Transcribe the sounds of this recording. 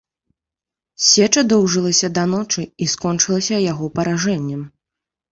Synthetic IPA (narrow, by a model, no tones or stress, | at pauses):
sʲɛt͡ʂɐd̪ɔwʐɨlˠɐsʲɐd̪ɐnɔt͡ʂɨiskɔnt͡ʂɨlˠɐsʲɐjaɣɔpɐɾaʐɛnʲːɛm